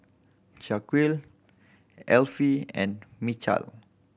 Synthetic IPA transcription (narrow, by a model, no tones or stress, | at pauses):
t͡ʃakwil | ɛlfiɛ̰̃nmit͡ʃa̰l